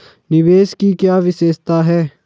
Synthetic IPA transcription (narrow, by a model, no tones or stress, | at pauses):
nɪʋeːskikjaːʋɪseːst̪aːɦɛː